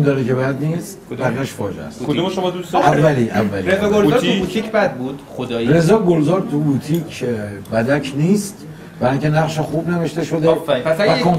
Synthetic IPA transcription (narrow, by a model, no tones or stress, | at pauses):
md̪ɒːɾekʰebæd̪niːst̪bæɾæʃfɒːd͡ʒeæ̰skʰod̪umʃomɒd̪ust̪ævːæliːʔævːæliɾezɒɡolzɾubut̪ʰikʰbæd̪̚bud̪̥χod̪jɾe̞zɒːɡolzɒːɾt̪ʰubut̪ʰicʰbæd̪ækʰniːst̪ | bæɾɒŋcʲʰenæʁʃexuːbne̞veʃt̪e̞ʃo̞d̪evækʰon